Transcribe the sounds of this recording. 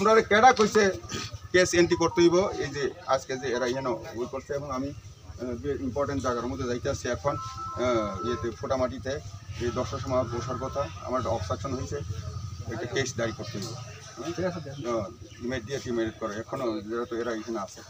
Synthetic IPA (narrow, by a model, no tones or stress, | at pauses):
tumɾaɾekɛɽakojsekesenʈikɔɾt̪eɦibɔezea̰skezeːɾaiɦɛnɔut̪̚kɔɾsʰeɛbɔŋami | b̪eɾimpɔɾʈeɳʈd͡ʒaɡaɾɔmud̪ʱɔd͡ʒajt̪easiɛkʰɔn | iɦet̪epʰoʈamaʈ̬it̪eed̪ɔkʃɔʃɔmoʃɔɾbɔt̪aa̰maɾʈaɔbsaksɔnɦojt͡ʃʰeɛkʈakesd̪aikoɾt̪eɦibɔ | imeɖieʈimeɾiɖ̚kɔɾeɛkʰɔnɔeɾat̪ɔeɾaiɦɛnaase